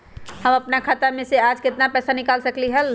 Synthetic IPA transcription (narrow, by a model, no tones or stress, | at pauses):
həməpnakʰat̪amẽsead͡ʒkɪt̪napɛːsanɪkalsəkliɦəl